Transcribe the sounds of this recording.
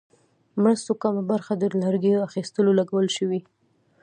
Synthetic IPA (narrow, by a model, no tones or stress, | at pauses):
mɾəst̪okamabaɾxad̪əlaɾɡeaxist̪əlolaɡawəlʃəwi